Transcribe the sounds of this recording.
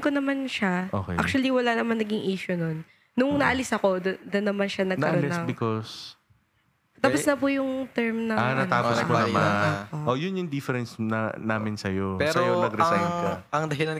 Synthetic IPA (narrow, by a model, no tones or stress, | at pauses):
konɐmanʃaʔo̰ːkɛ̰a̰k̚t͡ʃʊɐliwɐlanɐmanːɐɡiŋʔiːʃʊnonː | ʊŋnɐʔɐlɪsɐko̞dd̪ɐnːɐmanʃanɐɡnɐʔɐolɪsɐŋbɪkos | t̪aːpɐsnɐpujʊŋt̪ɛɹmnɐanɐaːposonɐmaoʔojʊnjʊŋd̪ɪfɛɾɛnsnɐ̰naːmɪnsɐjopɛsɾɐojonɐɡɾɛɐsa̰jŋnkɐɐŋd̪ɐɦɪlɐn